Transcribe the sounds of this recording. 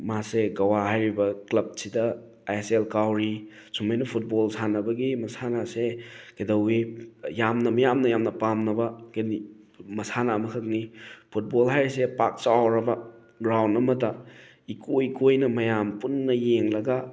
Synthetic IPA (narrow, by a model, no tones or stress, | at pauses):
maseɡɐwaɦajɾibɐklɐb̚sidɐ | ajeselkawɾi | sumajnɐpʰut̚bolsanɐbɐɡimɐsanaseɡ̥edɐwijamnɐmɐjamnɐjamnɐpamnɐbɐɡni | mɐsanamɐkʰɐk̚nipʰut̚bolɦajɾisepak̚t͡ʃawɾɐbɐ | ɡɾawndɐmɐtɐ | ikʰojkojnɐmɐjampunːɐjeŋlɐɡɐ